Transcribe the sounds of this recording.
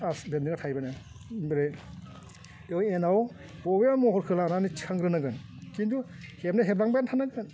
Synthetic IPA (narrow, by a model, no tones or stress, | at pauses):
asbendiŋatʰajbana | bɾe | ewjenaw | bɔbeamɔɦɔɾkʰɯlananit͡ʃʰaŋɡɾɯnaɡɯn | kindu | hep̚naɦep̚ɾaŋbajantʰanaɡɯn